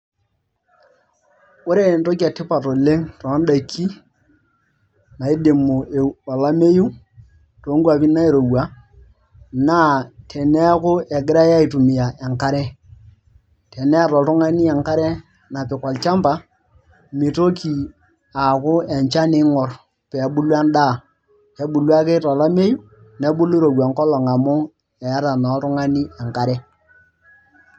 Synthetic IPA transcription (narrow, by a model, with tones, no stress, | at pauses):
ʊ˦ɾe˦˨nto˦k̬ja˨tɪ˦pa˨to˨le˦ŋtɔ˨˦nda˨ki˦ | na˨i˦de˨mʊ˨e˨ɔ˨la˦me˦ju˦ | to˨˦ŋɡwa˨pi˦na˦e˨ɾo˨wa˨˦ | na˦tʰɛ˨nɛ˦kʊ˦ʔɛ˨ɡɪ˦ɾa˦ja˦i˨tu˨mɪ˨ja˨ʔɛ˨ŋka˦ɾɛ˦ | tʰɛ˨nɛ˦˨ɾɔ˨ɾʊ˦ŋa˦ni˦ɛ˨ŋka˦ɾɛ˦ | na˨pɪ˨kɔ˨lt͡ʃa˦mpa˦ | mi˨to˦ki˨ | a˨kʊ˦ɛ˨ɲt͡ʃa˦nɪ˦ŋɔ˨r | pɛ˨˦bu˦lwa˦nda˦˨ | kɛ˨ɓu˨lwa˦ke˦ta˨la˦me˦ju˦ | nɛ˦bu˦lu˦ɾo˨wa˨ŋkɔ˦lɔ˨ŋa˨mʊ˦ | ɛ˨a˦ɾa˨nɔ˨˦ɾʊ˦ŋa˦ni˦ɛ˨ŋka˦ɾɛ˦